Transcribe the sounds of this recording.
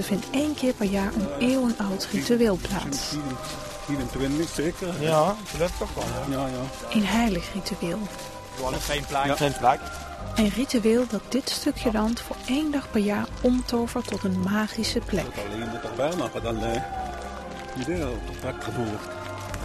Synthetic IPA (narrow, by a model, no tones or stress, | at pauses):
əv̥ɪntejnkɪːɹpɛɹjaːɹəneːwənʌwtrityeːlˠpla̰ːtsi | fiːɾəntʋɪntəxseːkər | lɛftəɔjajaː | ʔenɦɛjləχrityeːlˠ | enplaenpla | ənrityɪːlˠdɑt̚d̥ɪtstɵkʰjədɑntfʊːɹejndɑχpɛɹjaːɹɔmtovəɹtɔtənmaːχisəplɛ̰tɑleːnətərʋɛlˠnɔχədɔnə | idel | dak̚ənuːrt